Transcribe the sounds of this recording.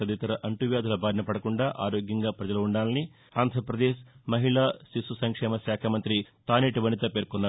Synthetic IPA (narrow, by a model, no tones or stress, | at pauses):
ɐd̪it̪ɐɾɐʔɐɳʈuʋjaːd̪ʱulɐbʱaːɾnɐpɐɽɐkuɳɖaːʔaːɾo̞ːɡjɐŋɡaːpɾɐd͡ʒɐlɐːuɳɖaːlɐni | aːnd̪ʱɾɐpɾɐd̪eːʃmɐɦiɭaːsisusɐŋkʂɛːmɐʃaːkʰɐmɐnt̪ɾit̪aːneːʈiʋɐnit̪ɐpe̞ːɾkɔnːaːɾ